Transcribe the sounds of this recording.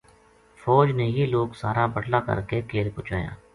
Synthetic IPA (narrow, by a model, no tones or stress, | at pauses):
fɔːd͡ʒnejiloːɡsaːɾapəɽlakɐ̰ɾkekeːlpʊːt͡ʃaːja̰ː